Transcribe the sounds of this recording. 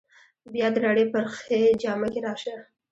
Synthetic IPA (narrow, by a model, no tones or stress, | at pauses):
bjɑd̪əɾɑɽepəɾxed͡ʒɑmakeɾɑʃa